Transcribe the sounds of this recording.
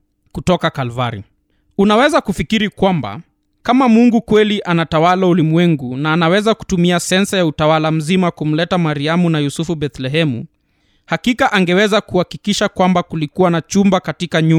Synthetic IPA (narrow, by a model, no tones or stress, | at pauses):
kutɔkakalvaɾḭ | unawɛzakufikiɾikwamba̰ | kamamuŋɡukwɛliʔanatawalaulimwɛŋɡunaːnawɛzaku̥tumiasɛnsajautawalam̩zimakum̩lɛtamaɾiamunajusufubɛθlɛɦɛmṵ | hakikaʔaŋɡɛwɛzakuhakikiʃakwambakulikuwanat͡ʃumbakatikaɲu